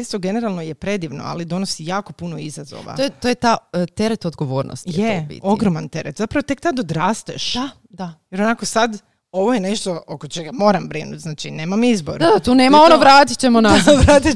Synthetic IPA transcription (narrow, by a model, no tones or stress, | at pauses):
est̪oɡe̞ne̞ɾalˠnojepɾe̞d̪iʋno̰a̰lid̪o̞nosijaːko̞punoizazo̰ːʋa̰ojet̪ojet̪at̪e̞ɾet̪od̪ɡoʋo̞ːɾnʔo̰st̪jebḭt̪o̞ɡɾomant̪e̞ɾet̪zapɾaʋo̞t̪e̞kt̪ad̪od̪ɾaːst̪ɛʃd̪a | d̪ajeɾonako̞sad̪ | o̞ʋojeneʃt̪ookot͡ʃeɡamo̞ːɾambɾinṵt̪znaːt͡ʃineːmamizboɾd̪ad̪at̪uːneːmao̞noʋɾaːt̪i̥t͡ɕemonaʋɾaːt̪i